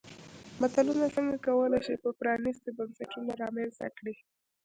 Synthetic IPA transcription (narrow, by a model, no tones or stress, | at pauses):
mat̪alunat͡səŋɡakawəlajʃipəpɾɑnist̪ibansaʈunaɾɑmelsa̰kɽi